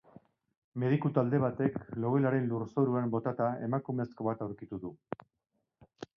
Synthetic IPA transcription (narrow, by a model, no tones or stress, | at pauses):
me̞ðikut̪ald̪e̞β̞at̪e̞klo̞ɣelaɾe̞nluɾso̞ɾuambo̞t̪at̪ae̞̰makume̞sko̞β̞at̪awɾkit̪uðu